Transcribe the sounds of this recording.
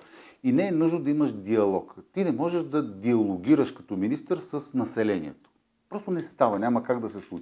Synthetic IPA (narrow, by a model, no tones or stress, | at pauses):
inɛːnuʒnod̪ɐiməʃd̪iɐlˠɔkt̪inɛmɔʒɛʒd̪ɐd̪iɐlˠoɡʲiɾəʃkɐ̥t̪ɔminist̪əɾsəsnɐsɛlɛnḭɛ̰t̪o̥ | pɾɔst̪onɛst̪avɐnʲaməkaɡd̪ɐsɛslˠut͡ʃ